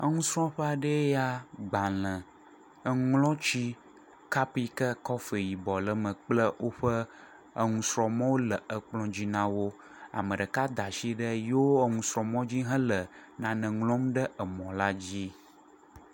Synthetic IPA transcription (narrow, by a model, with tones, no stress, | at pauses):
ə̰˦ŋũ˦sɾɔ̃˦ɸə˦a˨ɖə˦ja˦ɡ͡bã˨lə̃˨ | ə˦ŋlɔ̃˦t͡ɕi˦ | ka˦pi˦kə˦kɔ˦fe˨ji˨bɔ˨lə˨mə̃˨k͡plə˦wʔo˦ɸə˦ | ə˦ŋũ˨sɾɔ̃˨mɔ̃˦wo˦lə˨ə˨k͡plɔ̃˦d͡ʑi˦nã˦wo˦ | a̰˨mə̃˨ɖə˨ka˦d̪a˨ʃi˦ɖə˦jo˦ə˦ŋũ˨sɾɔ̃˨mɔ̃˦d͡ʑi˦ɦə̃˦lə˨nã˨nə̃˨ŋlɔ̃˦mɖə˦ə˨mɔ̃˨la˦d͡ʑi˦